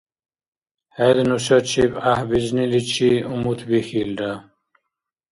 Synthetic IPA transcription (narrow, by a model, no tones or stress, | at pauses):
hed̪nuɕot͡ɕʰibahbiznilit͡ɕʰiumut̪ʰbixilɖa